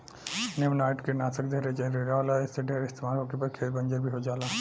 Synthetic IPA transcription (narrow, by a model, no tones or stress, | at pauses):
nemnaːʈkenaːsək̚d̪ʱeɾed͡ʒɐɾeɾalaeseɖʱeɾeɪst̪emaːɾɦoːkepɐɾkʰeːɾbənd͡ʒəɾbʱiɦod͡ʒaːla